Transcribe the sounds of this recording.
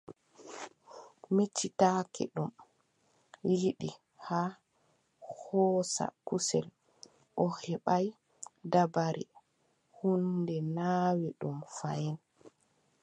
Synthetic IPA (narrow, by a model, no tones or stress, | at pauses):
mit͡ʃːitaːkɛ̰ɗum | jiɗi | haː | hɔːsa̰kusɛl | ʔɔhɛɓaj | dabaɾi | hundɛnaːwɛɗumfajɛn